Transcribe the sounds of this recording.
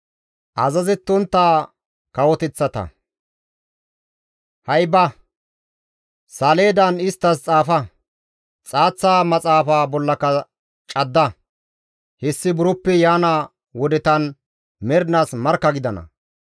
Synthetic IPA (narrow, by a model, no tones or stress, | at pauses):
ʔɐzɐzɛt̪ːʊnt̪ːaː | kɐwɔt̪ɛt͡sːɐt̪ɐ̰ | hɐjbɐ | saːle̞ːd̪ɐnɪst̪ːɐst͡sʼaːfɐ | t͡sʼaːt͡sːaːmɐt͡sʼaːfaːbɔlːɐkɐ | t͡ʃʼɐd̪ːɐ | hɛsːɪbʊɾʊpːɛjaːnaː | wɔd̪ɛt̪ɐn | mɛɾnaːsmɐɾkːɐɡɪd̪ɐnɐ̰